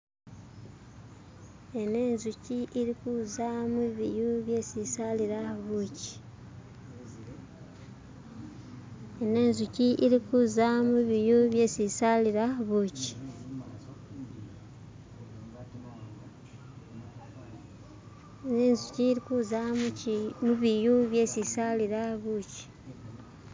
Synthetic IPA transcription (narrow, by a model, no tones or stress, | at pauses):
e̞ne̞ːnzuciʔiɾikuːzamuβijuβje̞sisaliɾaβuci̥ | ene̞ːnzuciʔiɾikuːzamuβijuβje̞sisaliɾaaβuci̥ | eneːnzuciːɾikuːza | muβijuβje̞sisaliɾahaβuci̥